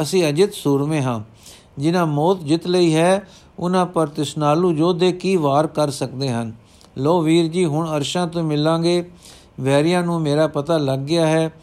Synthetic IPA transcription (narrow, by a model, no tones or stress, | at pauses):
əsĩːəd͡ʒɪt̪suːɾmẽːɦãː | d͡ʒɪnãːmɔːt̪d͡ʒɪt̪ləiːɦɛː | ʊnãːpəɾt̪ɪsnaːlũːd͡ʒoːd̪eːkiːʋaːɾkəɾsəkd̪eːɦən | loːʋiːɾd͡ʒiːɦʊɳəɾʃãːt̪õːmɪlːãːɡeː | ʋɛːɾijãːnũːmeːɾaːpət̪aːləɡːɪjaːɦɛː